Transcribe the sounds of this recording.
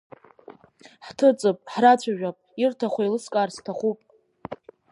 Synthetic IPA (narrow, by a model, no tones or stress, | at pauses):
ħtʰɨt͡sʼɨpʼħrat͡ɕʷʰaʒᶣapʼirtʰaχʷailɨskʼaːrstʰaχʷupʼ